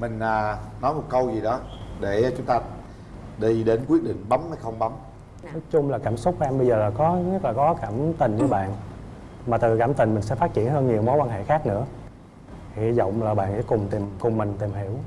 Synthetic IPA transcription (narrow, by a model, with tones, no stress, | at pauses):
mï˨˩ŋ̟aː˨˩nɔ˨˦jmo˨˩t̚kə˧wzi˨˩ɗɔ˨˦ɗe˧˩˨t͡ɕʊ˨˦ŋ͡mt̪aː˧ | ɗi˧ɗe˨˦nkwi˦˥t̚ɗḭ̈˧˨ŋ̟ɓa˨˦maː˨˩˦jxə˧wŋ͡mɓa˨˦m | nɔ˨˦jt͡ɕʊ˧ŋ͡mlaː˨˩kaː˧˩msʊ˦˥k͡p̚kɛ˧mɓə˧jzəː˨˩laː˨˩kɔ˨˦ɲə˦˥t̚laː˨˩kɔ˨˦kaː˧˩mt̪ï˨˩ŋ̟t͡ɕɨ˧˩˦ɓa̰ː˧˨n | maː˨˩t̪ɨ˨˩kaː˧˩mt̪ï˨˩ŋ̟mï˨˩ŋ̟sɛ̰˧˥fa˦˥t̚t͡ɕḭ˧˩˨ənhəː˧nɲi˨˩əwmo˨˦jkwaː˧nɦḛ˧˨xaː˦˥k̚nɨ̰˧˥ə | hʰi˨˧˨zɔ̰˧˨wŋ͡mlaː˨˩ɓa̰ː˧˨nsɛ̰˧˥˦kʊ˨˩ŋ͡mt̪i˨˩mkʊ˨˩ŋ͡mːï˨˩ŋ̟t̪i˨˩mhi˧˩˨əw